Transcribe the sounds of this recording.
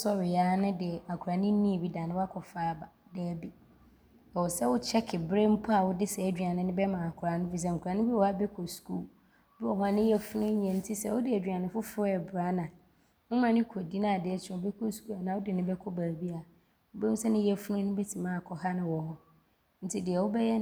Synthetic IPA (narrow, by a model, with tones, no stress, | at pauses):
sɔ˦ɥɪ˨jaː˨˦nɪ̃˦dɪ˨a˨kʰa˨nɪ̃˦nĩ˦˨bi˦da˨nɪ̃˦wa˦kʰɔ˨faː˦˨ba˨de˨˦bi˦ | ɛ˨wʊ˨sɛ˦wʊ˦t͡ɕʰɛ˦kʰɪ˨bẽ˦m̩˦pʰɔ˦a˨wʊ˦dɪ˦sɛ˨æ˨dᶣɥa˨nɪ̃˨nɪ̃˦bɛ˦mã˨a˨kʰʊ˨ɾa˨nʊ̃˦bi˦s̬ɛ˦˨ŋ̩˨kʰɾa˨nɪ̃˦bi˦˨ɔ˨˦a˦bɛ˦kʰɔ˨sku˦˨˦ | bɪ˦ɔ˨ha˨nɪ̃˦ɛ˦fʊ˦nʊ̃˦ɲɛ̃˨n̩˦tʰi˦sɛ˦wʊ˦dɪ˦æ˨dᶣɥa˨nɪ̃˨fʊ˦fʊ˦ɛ˨bɾa˦nã˨ | ʊ˦mã˨nɪ̃˦kʰo˨di˦nã˦˨dɪ˨ɛ˦sʰbɛ˦kʰɔ˦sku˦a˨nã˨wʊ˦dɪ˨nɪ̃˦bɛ˦kʰɔ˦baː˨bi˦a˨˦ | bẽ˦sɛ˦nɪ̃˦ɛ˦fʊ˦nʊ̃˦nɪ̃˦bɛ˦tʰi˨mãː˦˨a˨kʰɔ˨ha˦nɪ̃˦wɔ˨hɔ˦ | n̩˦tʰi˦dɪ˨ɛ˨wʊ˦bɛ˦jɛ˦